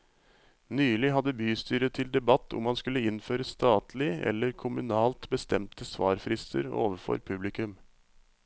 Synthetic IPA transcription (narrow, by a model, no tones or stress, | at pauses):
nyːlɪɦɑd̪əbyːst̪yːɾət̪ʰɪld̪ɛbɑt̪ʰːʊ̰mhɑnskʉlːəɪnføːɾəst̪ɑːt̪ʰlɪʔɛ̰lːəɾkʰʊmʉnɑːlt̪bəst̪ɛmt̪əsʋɑ̰ːɾfɾɪst̪ʰə̰ɾo̰ːʋəɾfɔ̰ɾpʰʉblɪkʉm